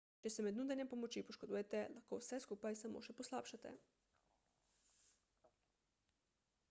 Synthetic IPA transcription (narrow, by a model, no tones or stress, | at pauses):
t͡ʃɛsɛmɛd̪nuːd̪anjɛmpomot͡ʃjipoʃkod̪uːjɛt̪ɛlaxkowsɛskuːpajsamo̰ːʃɛposlaːpʃat̪ɛ̰